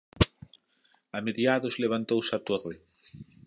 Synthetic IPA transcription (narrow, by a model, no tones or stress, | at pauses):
ameðjaðʊzleβ̞ant̪owsat̪ore